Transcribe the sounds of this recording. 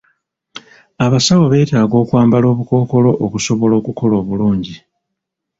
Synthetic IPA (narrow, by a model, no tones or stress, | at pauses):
aβasawoβe̞ːtaːɡo̞ːkwaːmbalo̞ːβuko̞ːko̞lo̞ʔokuso̞βo̞lo̞ːkukʰo̞lo̞ːβuluːɲɟi